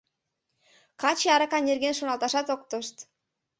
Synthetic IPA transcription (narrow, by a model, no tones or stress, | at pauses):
kɑt͡ɕeɑɾɑkɑnerɣenʃonɑlˠt̪ɑʃɑt̪ok̚t̪əʃt̪